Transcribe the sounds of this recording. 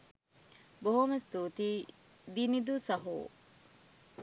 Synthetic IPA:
boɦumɐst̪uːt̪iː | d̪inid̪usɐɦṵː

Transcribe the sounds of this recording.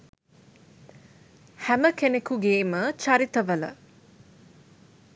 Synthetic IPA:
hæməkʰenekuɡeːmət͡ʃɐɾit̪əʋɐlə̰

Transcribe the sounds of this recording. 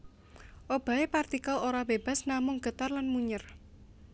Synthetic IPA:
ʔob̥a̤epart̪ikaloɾab̥eb̥a̤snamʊŋɡ̥ət̪arlanmuɲər

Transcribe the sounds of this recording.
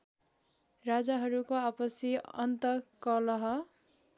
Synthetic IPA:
rad͡zaɦʌɾukoapʌsiʌ̰nt̪ʌkʌlʌɦʌ

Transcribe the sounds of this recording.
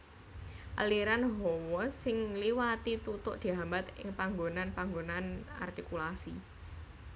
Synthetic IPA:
ʔa̰liɾanɦɔwɔsɪŋliwat̪it̪ut̪ʊʔd̪̥i̤ɦambat̪ɪ̰ŋpaŋɡonanpaŋɡonana̰rt̪ikulasi

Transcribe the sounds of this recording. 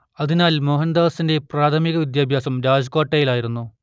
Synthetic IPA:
ɐðinaːlmoɦɐnd̪aːsinde̞praːt̪ʰɐmiɣɐʋid̪jaːbʱjaːsɐmɾaːd͡ʑkoːʈːejilaːjiɾunːu

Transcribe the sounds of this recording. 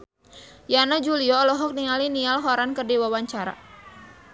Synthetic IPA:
janad͡ʒuliɔlɔɦɔk̚niŋalinialɦɔɾankərdiwawaɲt͡ʃaɾa̰

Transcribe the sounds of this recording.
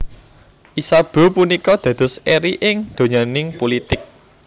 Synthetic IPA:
ʔisab̥o̤punikɔd̪̥ä̤d̪̥ɔ̤seɾiʔɪŋd̪̥o̤ɲanɪŋpolit̪ɪk̚

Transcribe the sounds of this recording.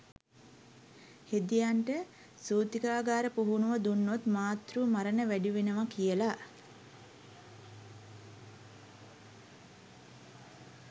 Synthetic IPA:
hed̪ijaɳʈə | suːt̪ikaːɡaːɾəpoɦunuʋəd̪unːot̪maːt̪rumaɾənəʋæɖiʋenəʋakijəla

